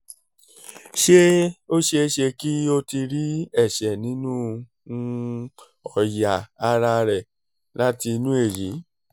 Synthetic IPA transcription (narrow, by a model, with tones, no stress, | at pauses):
ʃe˦o˦ʃe˧˦ʃe˧ki˦o˦˧ti˧ɾi˦ɛ˦˨ʃɛ˨nĩ˨˦nũ˦˧ | ɔ˨jaː˨˧ɾa˧ɾɛ˨ | la˦ti˧nũ˦e˦˨ji˨˦